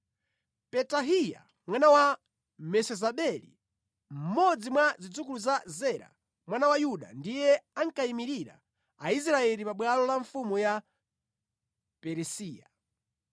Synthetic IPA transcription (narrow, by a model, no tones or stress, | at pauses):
pɛtaɦija̰ | mwanawa | mɛsɛzaɓɛlḭ | m̩mɔd͡zimwazid͡zukuluzazɛɾa̰ | mwanawajuɗa̰ndijɛaŋkaimiɾiɾa̰ | ais̬ɾaɛlipaɓwalɔlaɱfumuja | pɛɾɛsiːja